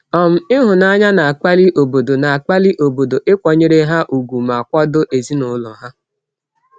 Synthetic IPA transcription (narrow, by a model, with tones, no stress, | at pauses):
ɔ˦˨m̩˦ɪ˦ɦʊ˨na˦ɲa˦na˨a˨k͡pa˦li˦ʔo˨bo˨do˨na˨a˨k͡pa˦li˦ʔo˨bo˨do˨ʔɪ˦kʷɔ˨ɲe˦ɾe˦ɦa˦ʔu˨ɡu˨ma˨kʷɔ˦do˦ʔe˨zi˦nʊ˨˦lɔ˨ɦa˦